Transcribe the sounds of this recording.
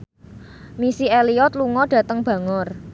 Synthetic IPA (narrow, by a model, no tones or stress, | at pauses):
misieliɔt̪̚luŋɔɖ̥ä̤t̪əŋb̥ä̤ŋɔr